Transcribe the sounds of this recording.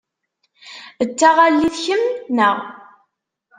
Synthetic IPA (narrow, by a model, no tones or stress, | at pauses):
ət͡sːaʁalːiθçəmnəʁ